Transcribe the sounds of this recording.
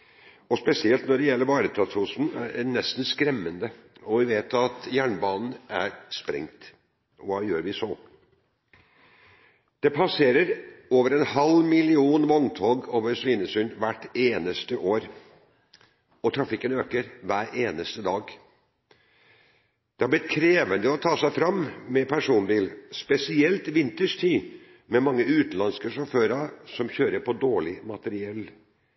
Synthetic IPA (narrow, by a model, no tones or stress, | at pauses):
ɔspɛsɪɛlt̪nɔɖɛjɛlːəɾʋɑːɾət̪ʰɾɑsʰuːsn̩æ̰ɾnɛst̪n̩skɾɛmːənd̪əɔʋɪʋeːt̪ɑt̪jæːɳbɑːnn̩ʔæɾspɾɛ̰ŋt̪ | ɔʋɑːjøːɾʋɪsɔ | d̪̥ɛpʰɑseːɾəɾoːʋəɾɛnhɑlmɪlɪuːnʋɔnt̪ʰɑːɡoːʋəɾʂʋiːnəsʏnʋæʈːeːnəst̪əʔoːɾ | ɔt̪ʰɾɑfɪkːənøːkəɾʋæːɾeːnəst̪əd̪ɑːɡ | d̪̥ɛhɑblɪt̪̚kʰɾeːʋənd̪əɔt̪ʰɑːsæɪfɾɑmmɛpʰæʂuːnbiːlspɛsɪɛlt̪ʋɪnt̪əʂt̪ʰiː | mɛmɑŋːəʉːt̪nlɑnskəʂɔføːɾɑsɔmçøːɾəpʰɔd̪oːɭɪmɑt̪əɾɪɛlː